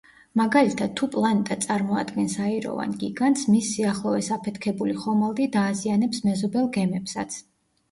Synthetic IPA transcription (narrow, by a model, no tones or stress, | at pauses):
maɡalit̪ʰad̪̥̚t̪ʰːupʼlˠanɛt̪ʼat̪sʼaɾmɔa̰d̪ɡɛnsaiɾɔ̰va̰nɡiɡant̪smisːiaχlˠɔɛsapʰɛt̪ʰkʰɛbuliχɔmalˠd̪id̪aːzianɛpsmɛzɔbɛlˠɡɛmɛpsa̰t̪sʰ